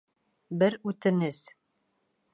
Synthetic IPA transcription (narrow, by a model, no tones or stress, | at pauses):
bɘɾʉt̪ɘ̆nɘz